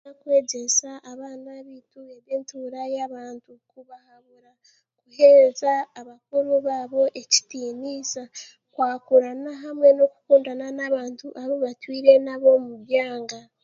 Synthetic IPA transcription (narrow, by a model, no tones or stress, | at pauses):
akwe̞ːɟesaʔːβaːnaβitueβeːntuːɾajaβaːntukuβahaβuɾa | kuheːzaːβak̚uɾuβaːβo̞ʔe̞ci̥tiːnisa | kwaːkuɾanaɦamwe̞no̞ku̥kuːndananaβaːntuʔaβoβatwiːɾe̞naβo̞muɾjaːŋɡa